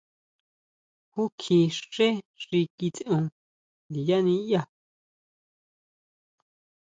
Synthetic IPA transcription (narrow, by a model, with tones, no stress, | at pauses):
hu˦kʰĩ˧ʂe˦ʐi˧ki˧t͡sʔũ˧ | di˨ja˦nĩ˧ja˦˧